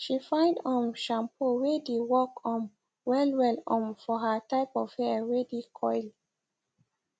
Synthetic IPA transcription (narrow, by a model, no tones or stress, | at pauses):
ʃifãɪ̃ndɔ̃nʃãmpʰoɹedewɔkɔ̃n | wɛlwɛlɔ̃nfɔɦətaɪpɔv̥hɛɹɛdikʰɔɪli